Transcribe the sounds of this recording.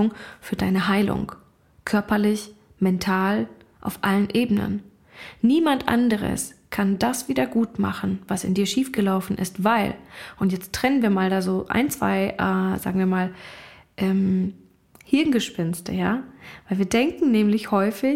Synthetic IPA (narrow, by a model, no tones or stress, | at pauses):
ʊŋfyːɐdaɪnəɦaɪlʊ̰ŋ | kʰœɐpɐlɪç | mɛntʰaːl | ʔa̰ʊfʔalənʔeːbənə̰nː | iːmantʔa̰ndəʁ̞ə̰skʰandasv̥iːdɐɡuːtma̰χn̩vasɪ̰ndiːɐʃiːfɡ̥əlaʊfn̩ʔɪ̰stv̥aɪlʔʊntjɛt͡stʁ̥ɛnənviːɐmaːldaːzoːʔa̰ɪnt͡sv̥a̰ɪʔaːz̥a̰ːɡŋ̩viːɐmaːl | ʔɛːm | hɪɐnɡəʃpɪnstʰə̰ja̰ːvaɪlviːɐdɛŋkŋ̩nɛːmlɪçhɔʏfɪ